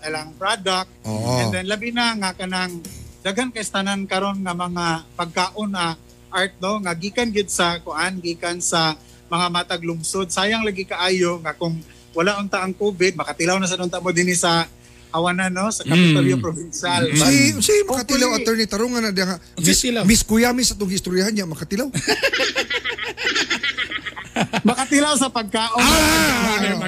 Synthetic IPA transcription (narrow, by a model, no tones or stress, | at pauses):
alaŋpɾad̪ak̚t̪ɛnd̪ɛnlabɪnaŋakɐnaŋd̪aɡhankɐɪst̪anaŋkɐɾo̞nŋɐmɐŋapɐɡ̚kaːʔonɐ | ʔaɹt̪̚noŋaɡiːkanɡɪd̪̚sɐkʊʔanɡiːkansɐ | mɐŋamaːt̪aɡlʊŋsod̪̚saːjaŋlaɡɪkaʔaːjoŋakʊŋ | wɐlaʔʊnt̪aʔɐŋkuːbɪd̪̚mɐkɐt̪ɪlawnas̬ɐnʊnt̪amod̪ɪnɪsɐ | hɐwananosɐkɐpɪt̪oljopɾobɪnʃalsisimɐkat̪ɪlawɐt̪ɛɹnɪt̪ɐɾoŋɐnad̪ŋamɪsmɪskʊjamɪsɐt̪oŋɪʔɪst̪oɾjahanɲamɐkɐt̪ɪlaw | mɐkat̪ɪlawsɐpɐɡ̚kaːʔo